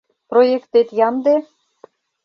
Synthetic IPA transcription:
projekt̪et̪jɑnd̪e

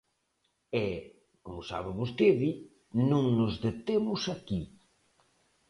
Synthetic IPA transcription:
ɛ | komʊsa̰βeβost̪eði | nũŋnʊzðet̪emʊsaki

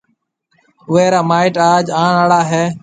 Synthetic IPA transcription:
ʊʋeːɾaːmaːɪʈaːd͡ʒaːɳaːɽaːɦeː

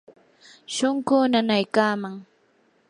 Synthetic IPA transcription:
ʃoŋkʊnanajkaːmaŋ

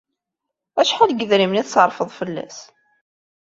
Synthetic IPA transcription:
æʃħalɡəðɾimniθsəɾˤfəðˤfəlːæ̰s

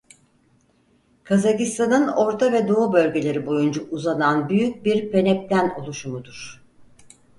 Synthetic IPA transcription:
kʰazacist̪ʰanɯno̞ɾt̪ʰavɛd̪oobø̞lʲɟe̞lʲe̞ɾibo̞jund͡ʒaʔuzananbyjyc̚biɾpe̞nɛp̚t̪æno̞lˠuʃumud̪uɾ̥

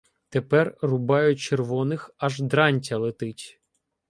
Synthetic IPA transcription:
t̪epɛrrʊbɑjʊt͡ʃerʋɔnɪxɐʒd̪ɾɑnʲtʲɐlˠet̪ɪtʲ

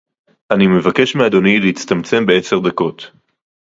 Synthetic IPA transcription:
ʔanime̞vake̞ʃmead̪o̞nileit͡st̪amt͡se̞mbe̞ese̞ʁd̪ako̞t̪

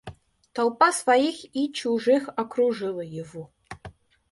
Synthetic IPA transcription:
t̪alˠpasvajixit͡ɕuʐɨxɐkɾuʐɨlˠəjɪvɔ

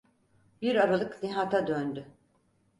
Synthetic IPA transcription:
biɾaɾalˠɯkniɦat̪ʰad̪ønd̪y

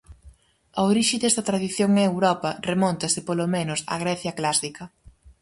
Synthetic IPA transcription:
ɐoɾiʃɪd̪ɛst̪ɐt̪ɾaðiθjoŋewɾɔpɐremɔnt̪ɐsɪpolomenʊsa̰ɣ̞ɾɛθjɐklasikɐ

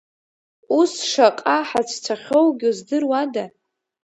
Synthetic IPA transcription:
usʂaqʼaħat͡ʃʷʰt͡sʷʰaχʲo̞wɡʲuzdɨrwada

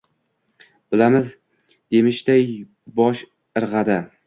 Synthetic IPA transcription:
bɪlamɪz | d̪̥e̞mɪʃt̪aj | bɒʃ | ɨɾʁɑd̪ɪ

